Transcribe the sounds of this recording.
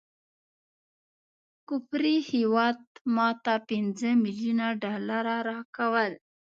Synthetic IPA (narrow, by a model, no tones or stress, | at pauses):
kʊpɾihiwɑd̪mɑt̪apɪnzəmilijunaɖɑlaɾaɾɑkawəl